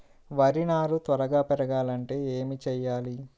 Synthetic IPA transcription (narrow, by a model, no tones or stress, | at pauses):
ʋɐɾinaːɾut̪ʋɐɾɐɡaːpɛɾɐɡaːlɐɳʈe̞ːeːmit͡ʃɛjːaːli